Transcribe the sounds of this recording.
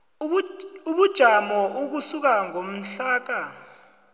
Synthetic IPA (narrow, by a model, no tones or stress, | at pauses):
uɓud̥ʒ̥ʱamɔʔuk̬usuk̬aŋom̩ɬaːk̬a